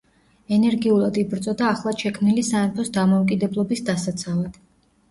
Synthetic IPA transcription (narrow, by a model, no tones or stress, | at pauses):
ɛnɛɾɡiulˠad̪ibɾt̪sʼɔd̪aːχlˠaʃɛkʰmnilisaɛpʰɔsd̪amɔukʼid̪ɛblˠɔbisd̪asat̪sʰavad̪̥